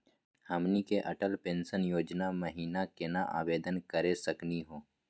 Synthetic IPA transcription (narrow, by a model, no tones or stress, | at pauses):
həmnikeʔɐʈəlpẽːnsənjoːd͡ʒnaməɦiːnakenaʔa̰ːʋeːd̪ənkəɾesəkniɦoː